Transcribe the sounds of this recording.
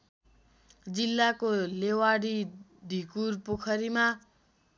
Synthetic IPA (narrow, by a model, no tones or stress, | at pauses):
d͡zilːakolewaɽid̪ʱikurpokʰʌɾima